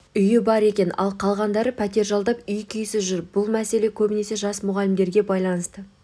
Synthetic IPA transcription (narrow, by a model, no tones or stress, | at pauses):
ʏjɪbɑɾe̞kʲe̞nɑ̰lˠqʰɑlˠʁɑnd̪ɑɾəpʰæt̪e̞ɾʒɑlˠd̪ɑpʏjkʲʰʏjsɪʒʏɾb̥ʊlˠmæse̞le̞kʲʰɵbɪne̞se̞ʒɑsmʊʁɑlɪmd̪e̞ɾɡʲe̞bɑjlˠɑnəst̪ə